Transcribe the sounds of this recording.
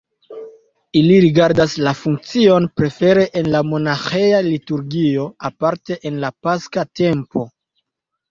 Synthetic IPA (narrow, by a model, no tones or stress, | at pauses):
iliɾiɡaɾdaslafuŋk̚t͡sio̞npɾe̞fe̞ɾe̞ʔenlamo̞naxejalituɾɡio̞apaɾte̞ʔenlapaskate̞mpo̞